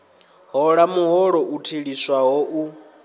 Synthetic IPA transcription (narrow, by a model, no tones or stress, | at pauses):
ɦɔɺamuɦɔɺɔʔutʰeɺiswaɦɔʔu